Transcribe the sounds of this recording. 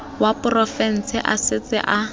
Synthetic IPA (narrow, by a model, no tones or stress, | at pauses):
wapʼʊrɔfɛn̩sɪʔa̰sɪt͡sɪ̰ʔa